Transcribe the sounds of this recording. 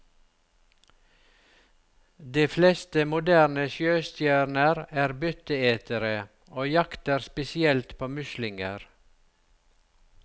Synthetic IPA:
d̪iːflɛst̪əmʊd̪æːɾnəʃjøːst̪jæːɾnəɾæːɾbʏt̪əeːt̪ʰəɾə | oːjɑkt̪əɾspɛsɪɛlt̪pʰoːmʉʃlɪŋəɾ

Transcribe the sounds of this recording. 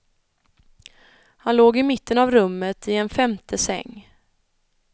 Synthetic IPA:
hanloːɡɪmɪt̪ːənavɾɵmːət̪ʰɪɛnfɛmt̪ʰəsɛ̰ŋː

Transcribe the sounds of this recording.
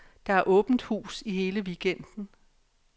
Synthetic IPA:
d̥ɑ̈æɐʔɔ̽ːb̥n̩d̥hṵːsihe̝ːləʋiɡ̥en̰d̥n̩

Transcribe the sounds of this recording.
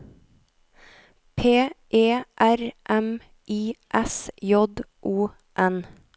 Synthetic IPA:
pʰeːʔeːʔæɾʔɛm | ʔiːʔɛsjɔd̪ʔuː | ʔɛn

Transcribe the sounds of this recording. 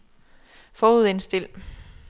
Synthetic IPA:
fɒːuð̞̰ˠe̝nsd̥e̝l̰

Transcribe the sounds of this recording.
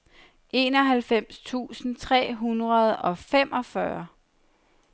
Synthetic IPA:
ʔe̝ːnɒ̽ɦælfem̰st͡sʰṵːsn̩t͡sʰʁɛ̰ːɦunʁɐð̞ˠɒ̽fem̰ʔɒ̽fɶɐ

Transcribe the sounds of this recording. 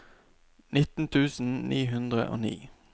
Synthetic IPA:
nɪt̪n̩t̪ʰʉːsn̩niːɦʉnd̪ʁə̰ʔo̰ːnḭː

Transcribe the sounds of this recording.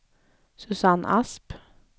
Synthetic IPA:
sʉsɑnʔɑ̰sp

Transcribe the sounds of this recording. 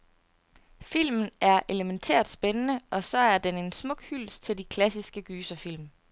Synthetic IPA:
fil̰mn̩æɐʔe̝ləment͡sʰḛɐ̰d̥sb̥enənəʔɒ̽sɒ̽æɐd̥ene̝nsmɔ̽ɡ̥hyl̰st͡sʰe̝ld̥ikʰlæsisɡ̥əɡ̥yːsɐfil̰m

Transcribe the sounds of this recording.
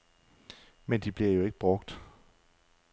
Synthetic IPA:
mend̥ib̥liɐjo̝e̝ɡ̥əb̥ʁɔ̽ɡ̥d̥

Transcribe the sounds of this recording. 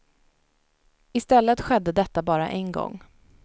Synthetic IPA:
ɪst̪ɛlːət̪ɧɛd̪ːəd̪ɛt̪ːabɑːɾa̰ʔɛnɡɔ̰ŋː

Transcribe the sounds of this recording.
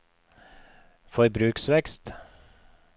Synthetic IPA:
fɔɾbɾʉːksʋɛkst̪

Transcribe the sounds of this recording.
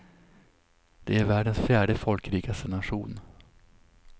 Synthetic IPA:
d̪̥ɛæɾvæːɖənsfjæːɖəfɔlkɾiːɡast̪ənaɧuːn

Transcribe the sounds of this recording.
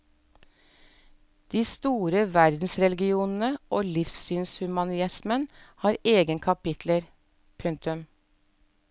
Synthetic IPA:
d̪̥iːst̪uːɾəʋæɾd̪n̩sɾɛlɡɪuːnn̩əʔoːlɪfsyːnshʉmɑnɪɪsmənhɑːɾeːɡənkʰɑpɪt̪ʰləɾ | pʰʉŋt̪ʉm

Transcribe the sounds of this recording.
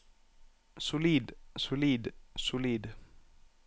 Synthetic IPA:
sʊliːd̪sʊliːd̪sʊliːd̪

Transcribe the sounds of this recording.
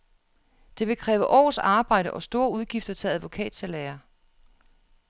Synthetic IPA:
d̥e̝ʋe̝kʰʁɛːʊɐʔɒ̰ːsɑ̈ːb̥ɑ̈ɪ̰d̥əʔɒ̽sd̥o̝ːɐuðˠɡ̥ifd̥ɐt͡sʰe̝læðˠʋo̝kʰɛ̰ːd̥sælɛːɐ

